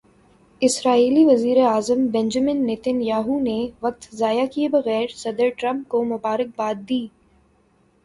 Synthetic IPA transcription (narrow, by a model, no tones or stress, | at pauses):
ɪsɾaːiːliʋɐziːɾeaːzəmbɛ̃nd͡ʒəmɪnːɪt̪ənjaːɦuneʋɐk̚t̪zaːjakiebɐɣɛːɾsɐd̪əɾʈɾɐ̃mp̚komʊbaːɾɪk̚baːt̪̚d̪iː